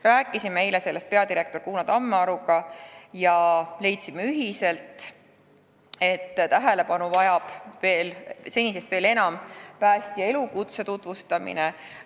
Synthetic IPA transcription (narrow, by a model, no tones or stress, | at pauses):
ræːkːˑisimejlese̞lːe̞st̪̚pe̞ɑd̪iɾe̞k̚t̪o̞rkuːnɑt̪ɑmːeɑɾuɡ̥ɑjɑle̞jt̪simːeyɦise̞lt̪ | e̞t̪ːt̪æɦele̞pɑnuvɑjɑb̥ve̞ːlse̞nʲise̞st̪ve̞ːle̞nɑmpæːst̪ie̞lukut̪se̞t̪ut̪vust̪ɑmḭne